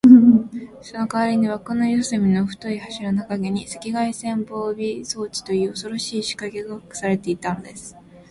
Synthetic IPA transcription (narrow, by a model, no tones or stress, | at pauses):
sonokaβaɾʲiɲiβakonojosɨmʲino̞ɸɯ̟̥t̪oihaɕiɾanakaɡe̞ɲ̟ise̥kʲiɡaisẽ̞mbo̞ːbʲiso̞ːt͡ɕi̥t̪o̞jɯ̟ːoso̞ɾo̞ɕiːɕi̥kaɡe̞ɡakɯ̟̥saɾe̞t̪e̞it̪ano̞d̪e̞sɨ̥